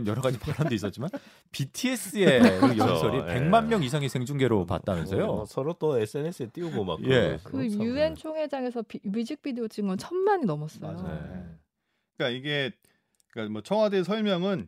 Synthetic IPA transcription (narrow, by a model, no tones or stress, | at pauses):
njʌɾʌɡad͡ʑipaɾandois͈ʌt̚t͡ɕ͈iman | pitʰies͈ɯeɾɯjʌnsʰʌɾipe̞ŋmanmjʌŋis̬ʰaŋisʰe̞ŋd͡ʑuŋɡe̞ɾopa̰t̚t͈amjʌnsʰʌjosʰʌɾot͈oes͈ɯenesɯet͈iuɡoma̰kje̞kɯue̞nt͡ɕʰoŋɦe̞d͡ʑaŋe̞sʰʌpibid͡ʑik̚pidiot͡ɕ͈iŋɡʌnt͡ɕʰʌnmaɲinʌmʌs͈ʌjo | k͈aiɡe̞ | k͈amwʌt͡ɕʰʌŋwadesʰʌɭmjʌŋɯn